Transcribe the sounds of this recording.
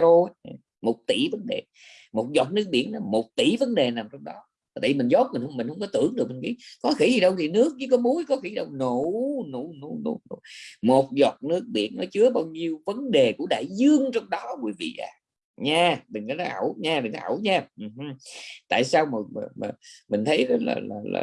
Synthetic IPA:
o˧˨˩ | mo˨˩t̚t̪ḭ˧˩˦və˨˦nɗḛ˨˩ | mo˨˩t̚zwɔː˨˩t̚nɨ˦˥k̚ɓḭ˧˩ənlɔ˨˦mo˨˩t̚t̪ḭ˧˩və˨˦nɗe˨˩naː˨˩mt͡ɕɔ˧wŋ͡mɗɔ˨˦ | va˨˩t̪aː˧˨˩vi˨mi˨˩ŋzo˦˥t̚mi˨˩n̟hŋ͡mmi̟˨˩hə˧wŋ͡mkɔ˨˦t̪ɨ̰˧˩˨əŋɗɨ˨˩ək̚mɨ˨˩ŋki˧˦kɔ˨˦xḭ˧˩˦i˨˩ɗə˧wt̪ʰi˨˩nɨ˦˥ək̚ɲɨ˧˦kɔ˨˦mu˨˦jkɔ˨˦xi˧˩˦ɗə˧wno˧˨˥nṵ˧˩nṵ˧˩˦nṵ˧˩˦nṵ˧˩˦mo˨˩t̚zɔ˨˩t̚nɨ˦˥ək̚ɓḭ˧˩˥ənnɔ˨˦t͡ɕɨ˨˦əɓaː˧wɲi˧əwvə˨˦nɗe˨˩ku˧˩əɗa̰ː˧˨jzɨ˧əŋt͡ɕɔ˧wŋ͡mɗɔ˨˦kwi˧˦vḭ˧˨ʔa̰ː˨˧˩ | ɲaː˧mï˨˩ŋ̟kɔ˨˦nɔ˨˦ʔa˧˩wɲaː˧mi˨˩ŋa˧˦˧wɲaː˧ʔ̩˨˩ht̪a̰ː˧˨jsaː˧wmə˨˩˨m˨˩mï˨˩ŋ̟t̪ʰə˨˦jzɔ˨˦la̰ː˨˩laː˨˩la̰ː˨

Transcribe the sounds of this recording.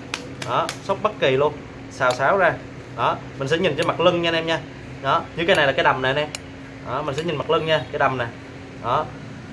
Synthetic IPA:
ɗɔ˨˦sə˦˥k͡p̚ɓə˦˥t̚ki˨˩lu˧ən | saː˧˩wsaː˨˦wzaː˧ | ɗɔ˨˦mï˨˩ŋ̟sɛ̰˧˥ɲi˨˩ŋ̟t͡ɕɔ˧˦ma˨˩k̚lɨ˧ŋɲaː˧nɛ˧mɲaː˧ | ɗɔ˨˦ɲɨ˧kaː˨˦jna˨˩jlaː˨˩kːjɗa˨˩mna˨˩nɛ˧m | ʔɔ˨˩mï˨˩ŋ̟sɛ̰˧˥ɲi˨˩nma˨˩k̚lɨ˧ŋɲaː˧kaː˨˦jɗa˨˩wmna˨˩j | ɗɔ˨˦

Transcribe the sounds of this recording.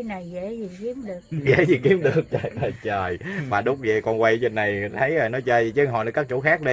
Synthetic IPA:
na˨˩jɣe˧˩˥zi˨˩ki˨˦əmɗɨ˨˩əɣḛ˧˥˦zi˨˩ki˨˦əmɗɨ˨˩ək̚t͡ɕəː˨˩jə˨˩jt͡ɕəː˨˩jmaː˨˩ɗʊ˨˦˥k͡p̚zḭ˨˩kɔ˧˩nkwa˧jzə˧˩nːa˨˩jt̪ʰə˨˦jəː˨˩nɔ˨˦jt͡ɕəː˧zi˨˩t͡ɕə˧˦˧ɦɔ̰˨nə˨˧˩kaː˦˥k̚t͡ɕṵ˧˦xaː˦˥k̚ɗə˧

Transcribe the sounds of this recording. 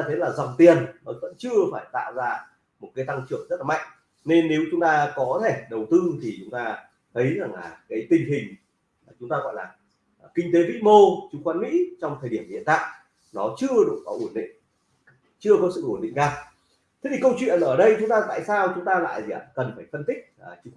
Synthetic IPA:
a˧t̪ʰə˨˦jlaː˨˩za˨˩wŋ͡mt̪i˨˩ənnɔ˨˦və̰˧˥nt͡ɕɨ˧əfaː˧˩jt̪a̰ː˧˨wzaː˧ | mo˨˩t̚kaː˨˦jt̪a˧ŋt͡ɕɨ̰˧˩əŋzə˦˥t̚la˨˩ma̰˧˨jŋ | ne˧nːe˨˦wt͡ɕʊ˨˦ŋ͡mt̪aː˧kɔ˨˦t̪ʰe˧˩ɗə˨˩wt̪ɨ˧t̪ʰi˨˩t͡ɕʊ˨˦ŋ͡mt̪aː˧ | t̪ʰə˨˦jza˨˩ŋla̰ː˨˩kaː˨˦jt̪ï˨˩ŋ̟ɦï˨˩ŋ̟ | laː˨˩t͡ɕʊ˨˦ŋ͡mt̪aː˧ɣɔ̰˧˨jlaː˨˩˨ | kï˧ŋ̟t̪e˨˦vḭ˧˥mo˧t͡ɕʊ˨˦ŋ͡mkwaː˨˦nmḭ˧˥t͡ɕɔ˧wŋ͡mt̪ʰəː˨˩ɗi˧˩əmhḭ˧˨ənt̪a̰ː˧˨j | nɔ˨˦t͡ɕɨ˧əɗu˨˩kɔ̰˨˦ʔu˧˩ənɗḭ̈˧˨ŋ | t͡ɕɨ˧əkɔ˨˦sɨ̰˧˨ʔu˧˩nɗḭ˧˨ŋ̟zaː˨˩w | t̪ʰe˨˦t̪ʰi˨˩kə˧wt͡ɕwḭ˧˨ənʔəː˧˩ɗə˧jt͡ɕʊ˨˦ŋ͡mt̪aː˧t̪a̰ː˧˨jsaː˧wt͡ɕʊ˨˦ŋ͡mt̪aː˧la̰ː˧˨jzi˨aː˨˩kə˨˩nfaː˧˩jfə˧nt̪ï˦˥k̚ːt͡ɕʊ˨˦ŋ

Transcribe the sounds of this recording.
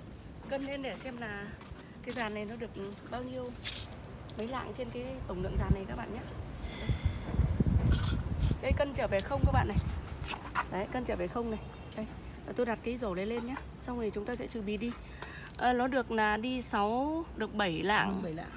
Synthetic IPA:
kə˧nle˧nɗe˧˩sɛ˧mlaː˨˩ | kaː˨˦jzaː˨˩nːa˨˩jnɔ˨˦ɗɨ˨˩ək̚ | ɓaː˧wɲi˧əw | mə˨˦jla̰ː˧˨ŋt͡ɕe˧nkaː˨˦jt̪ə˧˩wŋ͡mlɨ̰˧˨əŋzaː˨˩nːa˨˩jkaː˦˥k̚ɓa̰ː˧˨nɲaː˨˦˧ | ɗə˨˦jkə˧nt͡ɕəː˧˩ve˨˩xə˧wŋ͡mkaː˦˥k̚ɓa̰ː˧˨na˨˩j | a˨˦˧jkə˧nt͡ɕəː˧˩ve˨˩xə˧wŋ͡mna˨˩j | ɗə˧j | aː˨˩t̪o˧jɗa˨˩t̚kaː˨˦jzo˧˩lə˨˦le˧nɲaː˨˧˦ | sa˧wŋ͡mŋi˨˩t͡ɕʊ˨˦ŋ͡mt̪oː˧jsɛ̰˧˥t͡ɕɨ˨˩ɓi˨˩ɗi˧ | ʔəː˨˩nɔ˨˦ɗɨ˨˩ək̚naː˨˩ɗi˧sa˨˦wɗɨ˨˩ək̚ɓə˧˩jla̰ː˧˨ŋ̰ː˧˨˧

